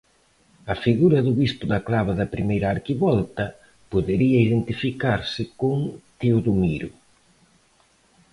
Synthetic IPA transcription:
ɐfiɣuɾɐðʊβispʊðɐklaβ̞ɐðɐpɾimejɾɐaːɾkiβɔlt̪ɐ | poðeɾiɐiðent̪ifikaɾsɪkoŋt̪ioðumiɾʊ

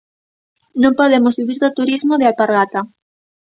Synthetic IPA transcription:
nõmpoðemozβiβiɾðot̪uɾizmoðealpaɾɣat̪a

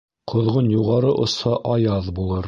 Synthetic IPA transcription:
qʰŏðʁonjuʁɑɾɤʔŏsɑʔɑjɑðbulˠɤɾ

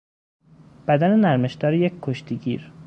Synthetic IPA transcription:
b̥æd̪ænenæɾme̞ʃd̪ɒːɾijeckʰːoʃt̪ʰiɟḭːɾ

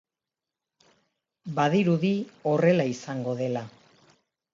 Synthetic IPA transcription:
baðiɾuðio̞re̞laisaŋɡo̞ðe̞la

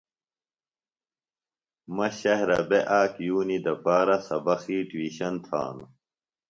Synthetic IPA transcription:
mɐɕɐɦɾɐ̰beʔaːkjuːnid̪ɐpaːɾɐsɐbɐxiːʈwiːɕɐnt̪ʰa̰ːnu

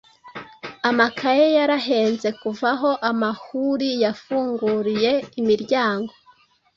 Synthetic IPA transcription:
amakʰajejaɾaɦe̞ːnze̞kuvaɦo̞ʔamahuɾijafuːŋɡuɾije̞imiɾɟaːŋɡo̞

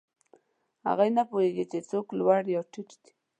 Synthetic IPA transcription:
ha̰ɣajnapoheɡit͡ʃet͡soklwaɽjɑwʈɪʈd̪i̥

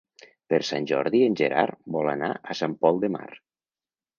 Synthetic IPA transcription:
peɾsanʲʒɔɾðienʲʒeɾa̰ɾbɔlanaʔəsampɔlˠd̪ema̰ɾ

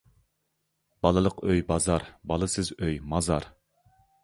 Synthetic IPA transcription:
b̥ɑlˠɨlˠəqøjbɑzɑɾbɑlˠɨsɨzøjmɑzɑ̰ɾ

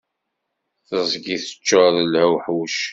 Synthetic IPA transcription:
θəzˤɡiθə̥t͡ʃːəðəlæwħwʃ

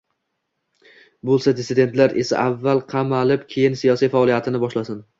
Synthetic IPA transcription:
bolˠsad̪ɪsɪd̪et̪laɾḛsa̰ʔavːalˠqʰɑmalɪpkʲʰejɪnsijɒsijfaɒːlˠijat̪ʰɪnɪbɒʃlasɪn

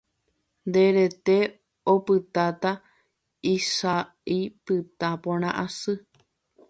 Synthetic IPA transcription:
nd̪e̞ɾe̞t̪e̞ | opɨt̪at̪a | isa | ipɨt̪apõɾ̃ãʔasɨ

